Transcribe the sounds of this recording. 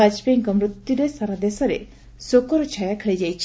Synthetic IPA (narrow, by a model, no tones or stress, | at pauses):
ad͡ʒpijŋkɐmɾut̪juɾesaɾad̪esɐɾḛ | sokɔɾɔt͡ʃʰajakʰeɭed͡ʒajt͡ʃʰ